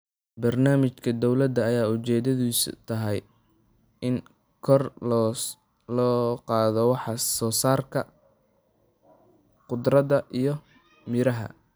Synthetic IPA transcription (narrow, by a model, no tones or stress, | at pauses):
bɐrnaːmɪt͡ʃkʰɐd̪ɔwlɐd̪ɐːjaːʊt͡ʃɛːd̪ɐðiːst̪ʰɐɦɛj | ɪn | kʰɔr | lɔːqɑːðɔwɑħɑsɔːsaːrkʰɐ | qʊd̪rɐðɐʔijɞ | mɪɾɐɦɐ̰